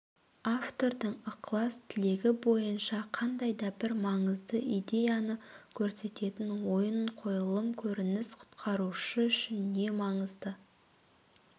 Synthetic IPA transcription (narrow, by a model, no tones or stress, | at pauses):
aft̪o̞ɾd̪əɴəqlˠɑst̪ʰɪle̞ɡʲɪbo̞jənʃɑqʰɑnd̪ɑjd̪ɑbɪɾmɑɴəzd̪əʔijd̪e̞jɑnəkʲʰɵɾse̞t̪e̞t̪ɪnwo̞jəɴqʰo̞jəlˠəmkʲʰɵɾɪnɪsqʰʊ̥t̪qʰɑɾuʃəʏʃɪnd̪e̞mɑɴəzd̪ə